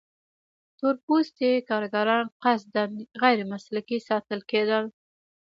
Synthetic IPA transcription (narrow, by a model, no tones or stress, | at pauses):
t̪ʊɾpust̪ekɑɾɡaɾɑnqasd̪anɣajɾmaslakisɑt̪əlked̪əl